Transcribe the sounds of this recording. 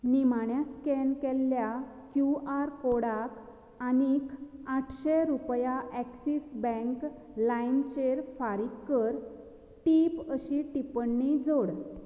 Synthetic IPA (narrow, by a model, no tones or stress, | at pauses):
nimaɳjaskenkɛlːja | kjuaɾkoɽak | anikʰaʈʰɕeɾupjaʔɛksisbɛ̃ŋk | laint͡ɕeɾfaɾikːəɾ | ʈipəɕiʈipəɳːid͡zoɽ